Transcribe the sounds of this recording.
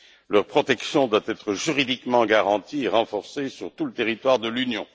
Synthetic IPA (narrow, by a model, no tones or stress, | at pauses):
lœʁpχɔt̪ɛksjɔ̃d̪wat̪ɛt̪χəʒyʁid̪ikmɑ̃ɡaʁɑ̃t̪ieʁɑ̃fɔʁsesyʁt̪ulət̪eʁit̪waʁd̪əlynjɔ̰̃